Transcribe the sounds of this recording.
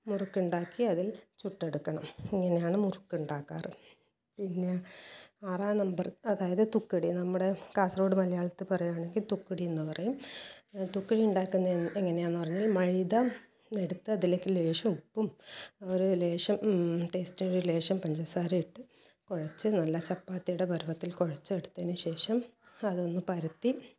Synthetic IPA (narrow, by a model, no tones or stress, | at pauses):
murukːuɳɖaːkːiɐðilt͡ɕuʈːe̞ɽukːɐɳɐmeŋːɐne̞jaːɳɨmurukːuɳɖaːkːa̰ːrɨ | pinːe̞ | aːraːnɐmbɐrɐðaːjɐðɨt̪ukːɐɽinɐmːuɽe̞kaːsro̞ːɽɨmɐlɐjaːɭɐt̪ːɨpɐrɐjumaːɳe̞ŋɡilt̪ukːɐɽienːɨpɐrɐjum | t̪ukːɐɽiuɳɖaːkːunːɐeŋːɐne̞jaːnːɨpɐrɐɲːaːlmɐɻiðɐ | e̞ɽut̪ːɨɐðileːkːɨle̞ːʂɐmupːumoɾule̞ːʂɐmʈe̞ːstinoɾule̞ːʂɐmpɐɲd͡ʑɐsaːɾuiʈːɨ | koɻɐt͡ɕːɨnɐlːɐt͡ɕɐpːaːt̪ːijuɽebʱɐɾuʋɐt̪ːilkoɻɐt͡ɕːɨeɽut̪ːenːɨɕe̞ːʂɐmɐðo̞nːɨpɐɾut̪ːi